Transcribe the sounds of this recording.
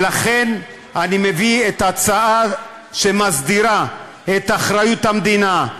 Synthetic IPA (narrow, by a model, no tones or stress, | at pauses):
laχe̞n | anime̞viet̪at͡saa | ʃe̞mazd̪iɾa | et̪aχɾajut̪hamd̪ina